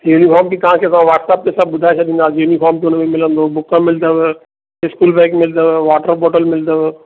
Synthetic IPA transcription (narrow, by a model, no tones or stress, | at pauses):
juːnifʰɔːɾmpit̪ɐɦãkʰet̪̬ɐʋãʋaːʈsaːp̚k̪esɐb̚bʊd̪ʱaet͡ʃʰɐɗ̪ĩːnd̪aːjuːnifʰɔːmt̪ʊnmẽmɪlə̃nd̪obʊkə̃mɪld̪əʋe | ɪskuːlbɛ̃ːkmɪld̪əʋeʋaːʈəɾbɔːʈəlmɪld̪əʋe